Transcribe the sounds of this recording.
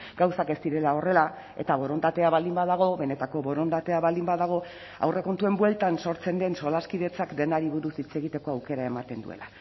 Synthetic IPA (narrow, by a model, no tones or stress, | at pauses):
ɡ̥awsake̞st̪iɾe̞lao̞re̞la | e̞̰t̪aβo̞ɾo̞nd̪at̪e̞aβald̪imbaðaɣ̞o̞βe̞ne̞t̪ako̞βo̞ɾo̞nd̪at̪e̞aβald̪imbaðaɣ̞o̞ | a̰wre̞ko̞nt̪ue̞mbwe̞lt̪anso̞ɾt͡se̞nd̪e̞nso̞laskiðe̞t͡sakd̪e̞naɾiβuɾusit͡se̞ɣit̪e̞ko̞awke̞ɾae̞mat̪e̞nd̪ṵe̞̰la